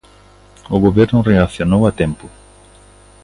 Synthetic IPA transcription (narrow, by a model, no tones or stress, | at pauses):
ʊɣoβɛɾnʊreaθjonowat̪ɛmpʊ